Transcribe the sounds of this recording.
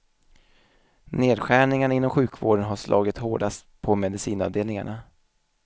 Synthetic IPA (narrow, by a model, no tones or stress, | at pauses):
neːd̪ɧæːɳɪŋənaɪnːɔmɧʉ̟ːkvo̰ːɖənɦaʂlʔɑ̰ːɡɪt̪hoːɖast̪pʰɔmɛd̪ɪsiːnɑ̰vd̪eːlnɪŋaɳa